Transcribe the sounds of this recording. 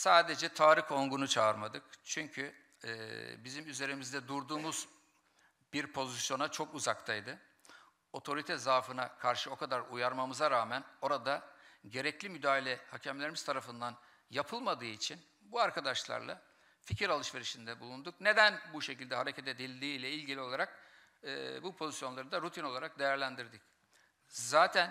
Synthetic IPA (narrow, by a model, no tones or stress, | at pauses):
saːd̪e̞d͡ʒɛt̪ʰaːɾiho̞ŋɡunut͡ʃʰaɯɾmad̪ɯkt͡ʃʰyɲcʰyː | bizimyze̞ɾimizd̪ɛd̪uɾd̪uːmuz | b̥iɾpʰo̞zisjo̞nat͡ʃʰo̞kuzak̚t̪ʰajd̪ɯ | o̞t̪ʰo̞ɾit̪ʰɛzaːfɯnakʰaɾʃɯo̞kʰad̪aɾujaɾmamɯzaɾaːmæno̞ɾad̪aɟe̞ɾɛclʲimyd̪aːilʲɛhacʰɛmlʲeɾimiz̥t̪ʰaɾafɯnd̪an | japʰɯlˠmad̪ɯːit͡ʃʰin | buaɾkʰad̪aʃlˠa̰ɾlˠa̰ | ficʰiɾalˠɯʃve̞ɾiʃind̪ɛbulˠund̪ukne̞d̪ænbuʃecilʲd̪ɛɦaɾe̞cʰɛt̪e̞d̪ilʲd̪iːlʲɛilʲɟilʲio̞lˠaɾak̚ː | bupʰo̞zisjo̞nlˠaɾɯd̪aɾut̪ʰino̞lˠaɾak̚d̪e̞jæɾlʲænd̪iɾd̪ic | zaːt̪ʰæn